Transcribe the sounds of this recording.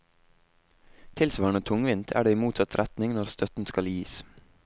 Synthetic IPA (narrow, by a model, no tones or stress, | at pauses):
t̪ʰɪlsʋɑːɳət̪ʰʊŋʋɪnt̪ʰæ̰ːɖeːiːmuːt̪sɑt̪ɾʔæt̪nɪŋnɔɾst̪œt̪n̩skɑljiːs